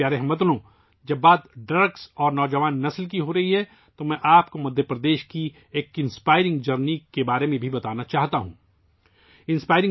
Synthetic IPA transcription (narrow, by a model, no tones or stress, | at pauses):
jaːɾɛɦmɐt̪nõ | d͡ʒɐbːaːd̪ɖɾɐɾksɔːɾnɔːd͡ʒɐʋaːnːɐslk̬iɦoːɾɐɦiɦɛ | t̪omɛ̃ʔaːpkomɐd̪ʱjəpɾɐd̪eːʃki | eːkɪ̃nspaːɪɾɪ̃ŋɡd͡ʒɐɾnikebaːɾemẽbʱibɐt̪aːnat͡ʃaːɦt̪aɦũː | ɪ̃nspaːɪɾɪ̃ŋ